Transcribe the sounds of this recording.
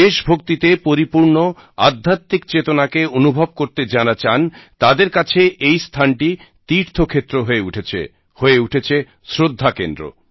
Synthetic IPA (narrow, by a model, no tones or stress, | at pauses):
eʃbʱok̚t̪it̪epoɾipuɾno | a̰d̪ʱːat̪ːik̚t͡ɕet̪onakeonubʱob̚koɾt̪ed͡ʑanat͡ɕant̪ad̪eɾkat͡ɕʰeʔejst̪ʰanʈi | t̪iɾt̪ʰokʰet̪ːɾoɦoeuʈʰet͡ɕʰḛ | hoeuʈʰet͡ɕʰe | sɾod̪ʱːakend̪ɾo̰